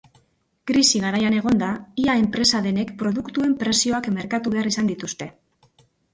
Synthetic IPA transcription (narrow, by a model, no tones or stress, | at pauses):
kɾisiɣ̞aɾajane̞ɣ̞o̞nd̪aiae̞mpɾesaðe̞ne̞kpɾo̞ðukt̪ue̞mpɾe̞sio̞akme̞ɾkat̪uβe̞aɾisand̪it̪ust̪e̞